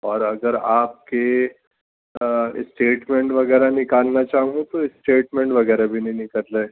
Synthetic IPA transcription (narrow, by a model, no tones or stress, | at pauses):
ɔːɾɐɡəɾaːp̚ke | ɪ̰sʈeːʈmẽɳʈʋɐɡɛːɾanɪkaːlnat͡ʃaːɦũɡũt̪oɪsʈeːʈmẽɳʈʋɐɡɛːɾabʱinɐĩnɪkəlːeː